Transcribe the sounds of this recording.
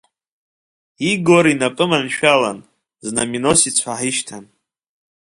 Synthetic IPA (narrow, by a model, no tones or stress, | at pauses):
iɡoɾinapʼɨmanʃᶣalan | zna̰mino̞sit͡sʷʰaħiʃtʰan